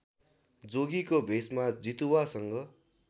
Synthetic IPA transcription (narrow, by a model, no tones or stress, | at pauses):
d͡zoɡikobʱesmad͡zit̪uwasʌŋɡʌ